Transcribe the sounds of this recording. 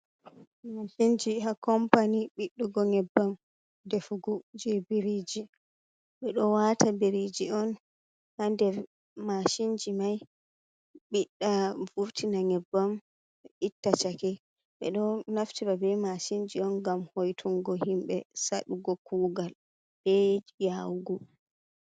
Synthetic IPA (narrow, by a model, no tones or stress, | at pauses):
maʃind͡ʒihakɔmpaniɓiɗːuɡɔŋɛbːam | defuɡɔd͡ʒibiɾid͡ʒi | ɓɛɗɔwatabeɾid͡ʒiɔn | handɛɾ | maʃind͡ʒimaj | ɓiɗːavuɾtʰinaŋɛbːam | itːat͡ʃakɛ | ɓɛ̰ɗɔnaftiɾabɛmaʃind͡ʒiɔnɡamhojtʰuŋɡɔhimɓɛsaɗuɡɔkuːɡal | ɓɛjawɡɔ